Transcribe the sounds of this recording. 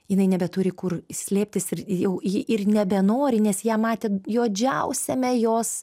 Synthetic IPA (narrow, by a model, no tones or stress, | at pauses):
jɪnɐɪnʲɛbʲɛt̪ʊɾʲɪkʊrsʲlʲeːpʲt̪ʲɪsɪrjɛʊjɪʔɪrnʲɛbʲɛnoːɾʲɪnʲɛsjæːmɑːt̪ʲeːjoːd͡ʒʲɛʊsʲɛmʲɛjoːs